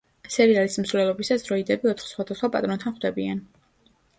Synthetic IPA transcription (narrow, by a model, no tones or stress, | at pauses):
sɛɾialism̩svlɛlˠɔbisasɾɔid̪ɛbiɔt̪ʰχsχwad̪asχwapʼat̪ʼɾɔnt̪ʰanχd̪ɛbian